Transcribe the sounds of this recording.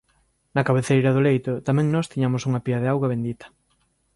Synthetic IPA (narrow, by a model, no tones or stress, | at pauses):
nɐkaβeθejɾɐðʊlejt̪ʊt̪amɛ̃ŋnɔst̪iɲamʊsuŋɐpiaðeawɣɐβ̞end̪it̪ɐ̥